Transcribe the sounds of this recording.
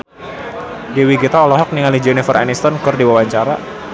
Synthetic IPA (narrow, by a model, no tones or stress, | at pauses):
dewiɡit̪ɔːlɔɦɔk̚niŋalid͡ʒɔnifərɾa̰nist̪ɔnkɨrdiwawaɲt͡ʃaɾa̰